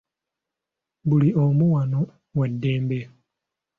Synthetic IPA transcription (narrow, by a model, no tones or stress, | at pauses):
buliomuwano | wedːeːmbe